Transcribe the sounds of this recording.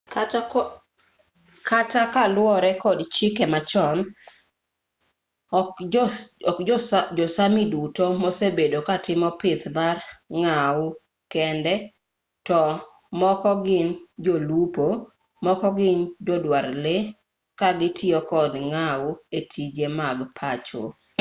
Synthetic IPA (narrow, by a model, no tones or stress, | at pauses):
kʰatakalwɔɾɛkɔdt͡ʃɪkɛmat͡ʃɔn | kd͡ʒɔsamidutomosebedokatɪmɔpɪt̪barŋawʊ | kɛndɛ | tɔ | mɔkɔɡɪnd͡ʒolupo | mɔkɔɡɪnd͡ʒɔdwaɾlɪ | kaɡɪtʰɪɔkɔdŋaʊetʰid͡ʒemaɡpʰat͡ʃo̰